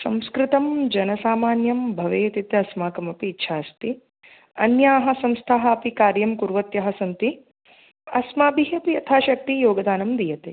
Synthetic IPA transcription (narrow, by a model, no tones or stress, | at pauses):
sɐ̃mskɾɪt̪ɐmd͡ʒɐnɐsaːmaːnjɐmbʱɐʋeːt̪it̪ɐsmaːkɐmɐpiːtːʃʰaːst̪i | ɐnjaːɦɐ̆sɐmst̪ʰaɦɐ̆ɐpikaːɾjɐmkuɾʋɐt̪jɐɦɐsɐnt̪i | ɐsmaːbiɦɐpiɐt̪ʰaːʃɐk̚t̪ijoːɡɐd̪aːnɐmd̪ijɐt̪e